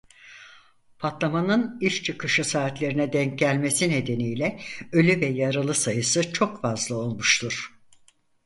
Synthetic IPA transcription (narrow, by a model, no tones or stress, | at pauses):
pʰat̪lˠamanɯniʃt͡ʃʰɯkʰɯʃɯsaːt̪lʲe̞ɾinɛd̪ɛɲc̚ɟælʲme̞sine̞d̪e̞nijlʲɛø̞lʲyvɛjaɾɯlˠɯsajɯsɯt͡ʃʰo̞kfazlˠɯo̞lˠmuʃt̪ʰuɾ̥